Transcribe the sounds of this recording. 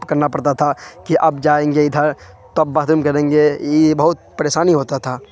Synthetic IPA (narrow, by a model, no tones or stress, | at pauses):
pkɐɾnapɐɽt̪at̪ʰakiʔɐpd͡ʒaːẽːŋɡeɪd̪ʱəɾ | t̪oɐb̚ːaːɦd̪umkɐɾẽːŋɡejebɐɦʊt̪̚pɐɾeːʃaːniɦoːt̪at̪ʰaː